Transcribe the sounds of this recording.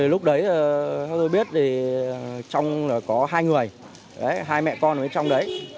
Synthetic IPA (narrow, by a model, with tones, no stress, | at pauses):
i˨˩lʊ˦˥k͡p̚ɗə˨˦jə˨a˧˦t̪o˧jɓi˦˥ət̚t̪ʰi˨˩ | t͡ɕɔ˧wŋ͡mlaː˨˩kɔ˨˦ɦaː˧jŋɨ˨˩əj | ʔə˨˦jɦaː˧jmɛ̰˧˨ʔkɔ˧nʔə˨˦t͡ɕɔ˧wŋ͡mɗə˨˦j